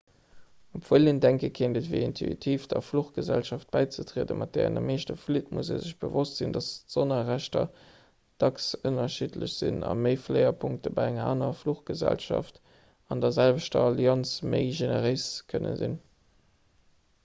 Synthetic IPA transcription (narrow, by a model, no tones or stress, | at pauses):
upfwələndæŋkəkʰeːndətviɪintʰuḭtʰiːfd̥ɐfluχɡ̥əzælʃɑft̚b̥æɪt͡sətʀiːdəmʔɑt̚d̥eːʁə̰ndəmeːʃtəflitmusḛːzəɕb̥əvostz̥indɑstz̥onəʁæɕtɐ | d̥ɑksunɐʃitlə̰ɕz̥inɑ̰məɪfleɪɐpʰuŋk̚təbɑɪæŋɐaːnɐfluχɡ̥əzæ̰lʃɑft | ɑndɐzælvəʃtɐɑliɑnsməɪʒenəʁəɪskʰənə̰nzḭn